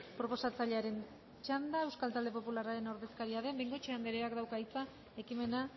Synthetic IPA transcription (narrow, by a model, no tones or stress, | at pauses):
pɾo̞po̞sat͡saʎe̞aɾe̞n | t͡ʃand̪ae̞wskalt̪ald̪e̞po̞pulaɾaɾe̞no̞ɾðe̞skaɾiaðe̞mbejŋɡo̞t͡ʃeand̪eɾeakd̪awkait͡sa | e̞kime̞na